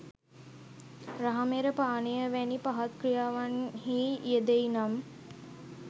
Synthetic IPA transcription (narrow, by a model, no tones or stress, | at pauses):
ɾaɦameɾəpaːnejəʋænipaɦɐt̪̚kɾijaːʋanhiːied̪einam